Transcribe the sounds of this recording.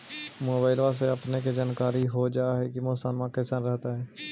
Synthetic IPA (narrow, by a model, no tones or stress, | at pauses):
moːbaːɪlʋas̬eəpneked͡ʒaːnkaːɾiɦod͡ʒaːɦɛkimoːsaːnmãːkesənɾɛɦt̪aɦɛː